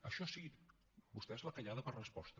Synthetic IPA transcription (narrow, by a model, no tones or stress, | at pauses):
əʃɔsiɣit̪ | bust̪ɛezləkəʎaðəpərəspɔst̪ə